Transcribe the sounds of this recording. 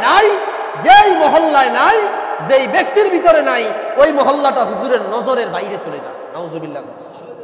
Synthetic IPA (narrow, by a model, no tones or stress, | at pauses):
naj | d͡ʑejmɔɦɔlːaenajzejbek̚t̪iɾbʱit̪oɾenajojmɔɦɔlːaʈaɦuzuɾeɾnɔzoɾeɾb̪ajɾet̪uled̪a̰ | naozobilːa̰ɡu